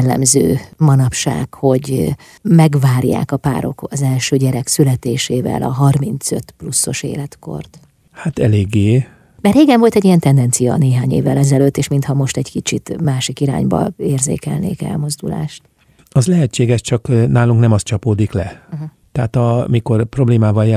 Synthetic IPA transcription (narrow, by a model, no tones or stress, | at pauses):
lːɛ̰mzø̰ːmɒnɒpʃa̰ːkho̞ɟ | mɛɡvaːrja̰ːkɒpa̰ːɾo̞̰kɒzɛlʃøːɟɛɾɛksylɛt̪eːʃeːvɛ̰lɒ̰ɦɒrmint̪sø̞t̪plusːo̞ʃḛːlɛt̪ko̞̰rt̪ | hat̪ɛleːɡːeː | mɛreːɡɛɱvo̞lt̪ɛɟːijɛnt̪ɛnd̪ɛnt̪sijɒ̰neːɦaːɲeːvːɛlɛzɛløːt̪ːeːʃmint̪hɒmo̞ʃt̪ɛɟkit͡ʃit̪maːʃikiɾa̰ːɲbɒ̰eːrzḛːkɛ̰lnḛːkɛ̰lmo̞zd̪ula̰ːʃt̪ | ɒzlɛɦɛt͡ʃːeːɡɛʃt͡ʃɒknaːluŋknɛmɒst̪t͡ʃɒpoːd̪iklɛ | t̪ɛɦat̪ɒmiko̞rpro̞bleːmaːvɒljɛ